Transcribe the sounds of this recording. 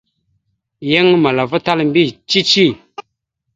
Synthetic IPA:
je˦ŋ˦ma˨la˨və˦ta˦lm˦bi˦˨t͡ʃi˦t͡ʃi˦˨

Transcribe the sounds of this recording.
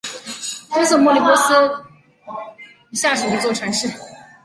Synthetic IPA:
t̪o˥˦ʂ̩˥˧˦mɔ˥˧li˥˩pɔ˥s̩˥ | i˧˥ɕja˥˩ʂɻ̩˥˩ə˧˦t͡swɔ˥˩ʈ͡ʂʰɤ˧˥ŋʂɻ̩˥˩˨

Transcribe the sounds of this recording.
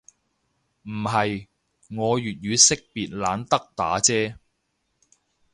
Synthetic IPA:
m̩˨˩ɦɐ˨j | ŋɔː˨˧jyː˨t̚jyː˨˧sɪ˥k̚piː˨t̚laː˨˧nt̪ɐ˥k̚t̪a̰ː˨˥t͡sɛː˥

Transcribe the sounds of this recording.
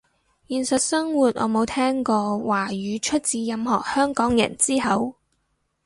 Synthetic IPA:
jiː˨nsɐ˨t̚sɐ˥ŋwuː˨t̚ʔɔ̰ː˨˧mo˨˧wt̪ʰɛː˥ŋkɔː˧waː˨˩jyː˨˧t͡ʃʰɵ˥t̚t͡siː˨˥jɐ˨˧mhɔː˨˩k̚hœː˥ŋkɔː˨˥ŋjɐ̰˨˩nt͡siː˥hɐ˨˥w

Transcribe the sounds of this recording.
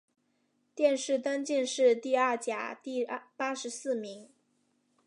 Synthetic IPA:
t̪jɛ˥˧nʂɻ̩˥˩t̪a˥nt͡ɕi˥˧nʂɻ̩˥˧t̪i˥˧ɐ˞˥˩t͡ɕja˨˩t̪i˥˩pa˥ʂɻ̩˧˥sɹ̩˥˩mi˧˥ŋ

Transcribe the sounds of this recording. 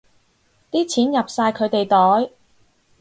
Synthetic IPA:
t̪iː˥t͡sʰiː˨˥njɐ˨p̚saː˧jkʰɵ˨˧ɥt̪e˨jt̪ɔː˨˥j

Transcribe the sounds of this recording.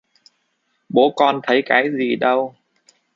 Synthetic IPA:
ɓo˨˦kɔ˧˩nt̪ʰə˨˦jkaː˨˦jzi˨˩ɗə˧w

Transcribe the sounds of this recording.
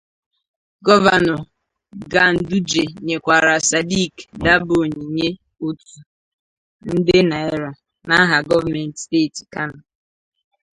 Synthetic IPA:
ɡɔ˦va˨nɔ˨ | ɡa˨n̩˨du˦d͡ʒe˨ɲe˨kʷa˨ɾa˨sa˨di˦˨kda˦bʊ˨o˨ɲi˨ɲe˦ | o˦tu˨ | n̩˦dɪ˦na˨e˦ɾa˨ | na˦ɦa˨ɡɔ˦va˨me˨n̩˨tsteː˦˨ti˨ka˦na˨

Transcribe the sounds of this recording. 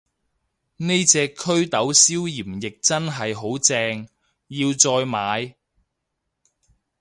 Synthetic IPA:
ne˥jt͡sɛː˧kʰɵ˥ɥt̪ɐ˨˥wsiː˥wjiː˨˩mjɪ˨k̚t͡sɐ˥nɦɐ˨jɦo˨˥wt͡sɛː˧ŋ | jiː˧wt͡sɔː˧jmaː˨˧j

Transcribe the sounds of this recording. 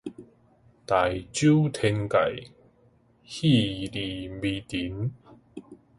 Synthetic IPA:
t̪a˨˩jt͡ɕju˦t̪ʰe˧ŋka̰˨˩j | hi˥˧li˨˩mbi˧t̪i˨˦n

